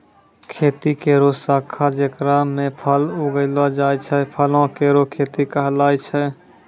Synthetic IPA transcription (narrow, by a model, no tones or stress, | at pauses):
kʰeːt̪ikeɾosaːkʰad͡ʒekɾamẽpʰəloɡəɪlad͡ʒaːjt͡ʃʰɛpʰəlõkeɾokʰeːt̪ikəɦlaːjt͡ʃʰɛ